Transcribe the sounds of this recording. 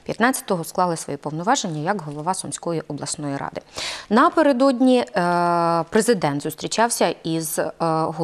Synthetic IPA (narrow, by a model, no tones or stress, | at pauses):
pʲjɐt̪nɑtt͡sʲɐ̥t̪ɔɦɔsklˠɑlˠɪsʋɔ̰jipɔwnʊʋɑʒe̞nʲːɐjɐkɦɔlˠɔʋɑsɔmsʲkɔjiʔɔblˠɐsnɔjiɾɑ̰d̪ɪnɐpeɾed̪ɔdʲnʲi | pɾezɪd̪ɛnt̪zʊst̪ɾʲit͡ʃɑwsʲɐizɦɔ